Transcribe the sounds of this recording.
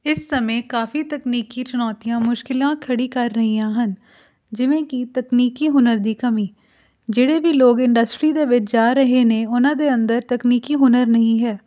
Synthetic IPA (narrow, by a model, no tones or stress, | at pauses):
ɪsːəmẽːkaːfiːt̪əkniːkiːt͡ʃʊnɔːt̪ijãːmʊʃkɪlãːkʰəɽiːkəɾːəɦiːãːɦən | d͡ʒɪʋẽːkit̪əkniːkiːɦʊnəɾd̪iːkəmiː | d͡ʒeːɽeːbiːloːɡɪ̃ɳɖəsʈɾiːd̪eːʋɪt͡ʃd͡ʒaːɾəɦeːnẽːʊnãːd̪eːənd̪əɾt̪əkniːkiːɦʊnəɾnəɦĩːɦɛː